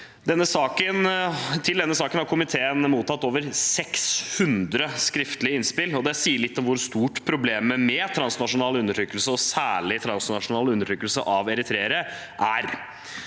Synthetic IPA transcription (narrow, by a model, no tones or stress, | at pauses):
d̪ɛnːəsɑːkənt̪ʰɪld̪ɛnːəsɑːkənhɑɾkʰʊmɪt̪ʰeːənmuːt̪ɑt̪ːoːʋəɾsɛkshʉnd̪ɾəskɾɪft̪lɪəɪnspɪlːɔd̪ɛsiːəɭɪt̪ːɔmʋʊɾst̪uːʈpʰɾʊbleːməmɛt̪ʰɾɑnsnɑʂʊnɑːləʉnːəʈʰɾyːkːəlsəɔsæːɭɪt̪ʰɾɑnsnɑʂʊnɑːlʉnːəʈʰyːkːəlsə̰ʔɑʋɛɾɪt̪ʰɾeːəɾə | ʔæ̰ɾ